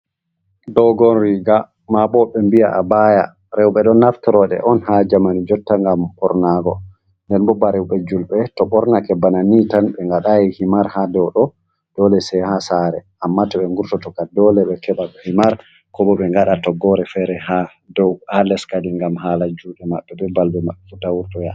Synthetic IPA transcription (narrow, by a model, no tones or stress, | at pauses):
dɔɡɔnɾiɡa | mabɔɓɛmbijaʔabaja̰ | ɾɛwɓɛɗɔnaftɔɾɔɗɛ̰ʔɔnhad͡ʒamanid͡ʒɔtːaŋɡambɔɾnaɡɔ̰ | ndɛnbɔbːaɾɛwɓɛd͡ʒulɓɛtɔɓɔɾnakɛbːananitanɓɛŋɡaɗajɛhimaɾhadɛwɗɔ | d̥ɔlɛsɛhasaɾɛ̰ʔamːatɔɓɛŋɡuɾtɔtɔkadɔlɛɓɛkɛɓaɓɛhimaɾ | kɔbɔɓɛŋɡaɗatɔɡɔɾɛfɛɾɛha | dɔwalɛskadiŋɡamhalad͡ʒuɗɛmaɓːɛɓɛbalbɛmaɗːfutawuɾtɔja̰